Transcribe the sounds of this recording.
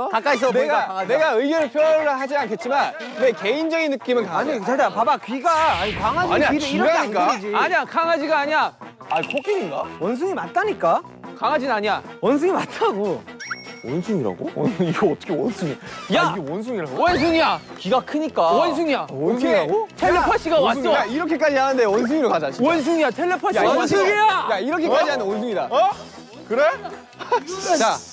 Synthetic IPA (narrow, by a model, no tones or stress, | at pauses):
kak͈ais̬ʌneɡaaane̞ɡaɯiɡjʌɾɯɭpʰjʌɾɯɭhad͡ʑiankʰe̞t̚t͡ɕ͈iman | we̞ke̞ind͡ʑʌɡinːɯk͈imɯnkaait͡ɕaɭtapabakiɡaaɲikwaŋɦad͡ʑaɲiaɾɯiɡaɲik͈ad͡ʑiaɲiakaŋɦad͡ʑiɡaaːɲia | aɲikok͈eɲiŋɡa̰wʌns̬ʰɯŋimat͈aɲik͈a | kaŋɦad͡ʑinnaɲiawʌns̬ʰɯŋimatʰaɡo | wʌnsʰuŋiɾa̰ɡo̰niɡeʌt͈ʰʌkʰewʌnsʰuŋijaiewʌnsʰuŋiɾaɡowʌns̬ʰuŋia | kiɡakʰɯɲik͈awʌns̬ʰɯŋijaʌnsʰiaɡotʰeɭːepʰaɕ͈ʰiɡawat͡ɕ͈oaiɾʌkʰe̞k͈ad͡ʑiɦanɯnde̞wʌns̬ʰɯŋiɾokad͡ʑaɕʰiʌns̬ʰuŋijatʰeɭlːepʰaɕjansʰɯŋijajaiɾʌkʰek͈ad͡ʑiɦanɯnwʌnsʰɯŋida | kɯɾe | t͡ɕa